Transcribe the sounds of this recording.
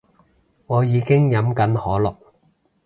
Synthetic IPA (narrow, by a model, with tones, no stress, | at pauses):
ŋɔː˨˧jiː˨˧kɪ˥ŋjɐ˨˥mkɐ˨˥nhɔː˨˥lɔ˨˩k̚